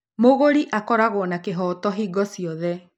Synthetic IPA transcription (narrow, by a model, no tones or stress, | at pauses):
moɣoɾiʔakɔɾaɣoɔnakeɦɔtɔɦiɡɔsiɔðɛ